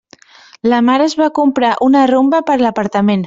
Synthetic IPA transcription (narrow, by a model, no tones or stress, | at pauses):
ləmaɾəzβakumpɾaʔunərumbəpəɾləpəɾt̪əmen